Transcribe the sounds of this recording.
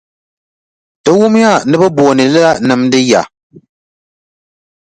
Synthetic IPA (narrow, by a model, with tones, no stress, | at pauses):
d̥ɨ˦wʊ˦m˦ja˦˨nɨ˦bɨ˦boː˨nɨ˨lɨ˦la˦nɨ˨mdɨ˦ja˨